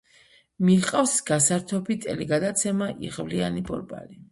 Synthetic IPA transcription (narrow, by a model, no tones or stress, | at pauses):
miqʼafsɡasaɾt̪ʰɔbit̪ʼɛliɡad̪at̪sʰɛmaʔiʁvlianibʼɔ̰ɾbʼa̰li